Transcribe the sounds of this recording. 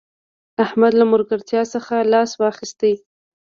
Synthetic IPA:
ahmad̪lamʊɾɡaɾt̪jɑsəxalɑswɑxɪst̪e

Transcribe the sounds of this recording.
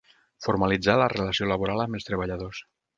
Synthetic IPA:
foɾmalid͡zalərelasiolaβoɾaləməlˠst̪ɾeβ̞aʎaðos

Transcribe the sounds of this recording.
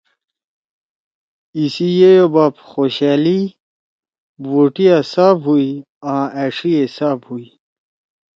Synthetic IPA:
isijejobaːpxoɕaːli | woʈijasaːpɦui | ãʔæʂiesaːphui

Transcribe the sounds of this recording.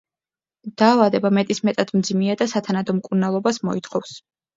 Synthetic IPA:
d̪̥aːvad̪ɛbamɛt̪ʼismɛt̪ʼad̪̥md̪zimiad̪asat̪ʰanad̪ɔmkʼuɾnalˠɔbasmɔit̪ʰχɔfs

